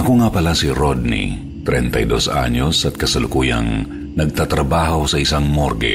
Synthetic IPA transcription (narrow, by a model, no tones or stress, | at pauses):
ʔɐko̞ŋapɐlasiɾod̪̚nḭ | t̪ɾɛnt̪ɐ̰jd̪o̞sʔa̰ɲo̞sɐt̪̚kɐsɐlʊkuːjɐ̰ŋ | nɐɡ̚t̪at̪ɾɐbaːɦo̞sɐʔɪsaŋmoɾɡɛ̰